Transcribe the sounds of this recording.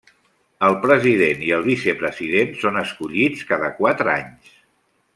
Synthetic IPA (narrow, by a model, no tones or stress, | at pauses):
əlˠpɾəziðeniəlˠβisɛpɾəziðensonəskuʎit͡skaðəkwat̪ɾəa̰ɲs